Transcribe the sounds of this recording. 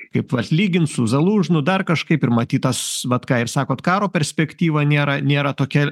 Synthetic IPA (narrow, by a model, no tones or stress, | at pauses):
kɐɪpʋɐt̪ʲlʲiːɡʲɪnt̪sʊzɐlˠuːʒnʊd̪ɐrkɐʃkɐɪpɪɾmɐt̪ʲiːt̪ɐsʋɐt̪kɑːɪrsɑːkoːt̪kɑːɾoːpʲɛɾʲsʲpʲɛkt̪ʲiːʋɐnʲeːɾɐnʲeːɾɐt̪oːkʲɛ